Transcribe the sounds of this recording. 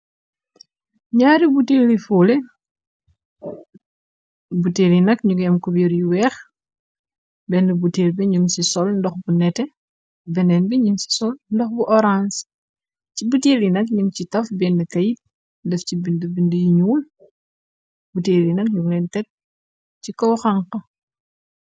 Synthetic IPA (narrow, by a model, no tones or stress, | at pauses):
ɲaːɾibuteːlifolɛ | butelinɐkɲuɡɛmkubiɾjuwɛːx | bɛnːəbuteːlbɛɲumsisɔlndɔxbunɛtɛ | bɛnɛnbɛɲumsi̥sɔlndɔxbuʔɔɾans | cibuteːlinɐk̚ɲumcitɐfbɛnːəkɐjit̚ | dɛfcibindəbindəjiɲuːl | buteːlinɐk̚ɲumlɛntɛt̚ | cikɔwxɐŋqɐ